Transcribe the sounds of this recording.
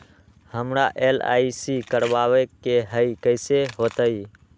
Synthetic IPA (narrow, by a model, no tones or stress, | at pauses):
həmɾaʔeːla̰ːisikəɾʋaːʋekeɦəikəɪseɦoːt̪əi